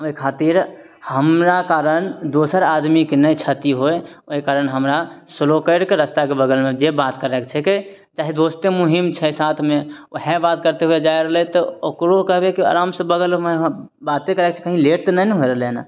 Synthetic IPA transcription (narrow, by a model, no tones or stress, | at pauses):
oikʰat̪iɾ | həmɾakaɾənd̪osəɾad̪mikenəjt͡ʃʰət̪iɦoeoɦikaɾənɦəmɾasəlokəɪɾkeɾəst̪akebəɡəlmẽd͡ʒebat̪kəɾɛkt͡ʃʰɛki | t͡ʃaːɦid̪ost̪emuɦimt͡ʃʰɛsat̪ʰmeɦebat̪kəɾt̪eɦued͡ʒajɾəɦlɛt̪ɔokɾokəɦbekia̰ɾamsẽbəɡəlme | bat̪ekəɾɛk̚t͡ʃʰɛ̥kəɦĩleʈt̪nənɦoeɾəɦlena̰